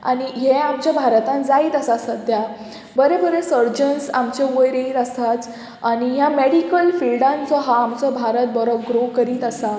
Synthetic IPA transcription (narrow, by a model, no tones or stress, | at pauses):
a̰ɽ̃iɦeamt͡ɕjabʱaɾt̪ãnd͡zaiːt̪əsasəd̪ʱja | bəɾebəɾesəɾd͡ʑənsa̰mt͡ɕeʋəjɾeiɾəsat͡s | aɽ̃ijameɽikəlfilɖãnt͡sɔɦaːmt͡sɔbʱaɾət̪̚bəɾɔɡɾokəɾiːt̪əsa